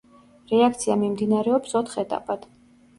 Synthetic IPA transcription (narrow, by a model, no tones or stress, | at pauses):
ɾɛak̚ʰt̪sʰiamimd̪inaɾɛɔpsɔt̪ʰχɛt̪ʼa̰pʼad̪̥